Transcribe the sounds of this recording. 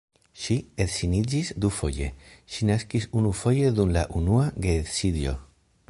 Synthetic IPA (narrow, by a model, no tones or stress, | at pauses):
ʃietsinid͡ʒisd̪ufo̞̰je̞̰ʃinaskisunufo̞je̞d̪umla̰ʔunuaɡetsid̪jo̞̰